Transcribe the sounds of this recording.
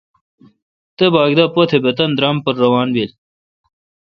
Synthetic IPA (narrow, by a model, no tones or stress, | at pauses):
t̪ebaːɡd̪ɐpot̪ʰebɐt̪ɐnd̪ɾaːmpɐɾːɐwaːnbil